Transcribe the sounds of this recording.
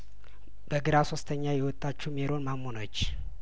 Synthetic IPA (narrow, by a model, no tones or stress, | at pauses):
b̥əɡɨɾaso̞st̪ʰəɲːajɛwɔt̪ʼːat͡ʃːumeɾonmamːonət͡ʃː